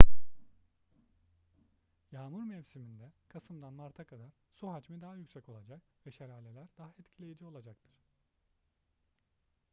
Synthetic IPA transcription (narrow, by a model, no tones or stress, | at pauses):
jaːmuɾmɛvsimind̪ɛkʰasɯmd̪anmaɾt̪ʰakʰad̪aɾ̥ | suɦad͡ʒmɯd̪aɦajycsɛco̞lˠad͡ʒakvɛʃeɾaːlʲe̞lʲæɾd̪aɦaɛt̪cʰilʲe̞jid͡ʒio̞lˠad͡ʒak̚t̪ʰɯɾ̥